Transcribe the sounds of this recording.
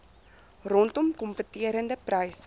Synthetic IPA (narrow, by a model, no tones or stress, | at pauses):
rɔntɔmkɔmpətiəɾəndəprəjs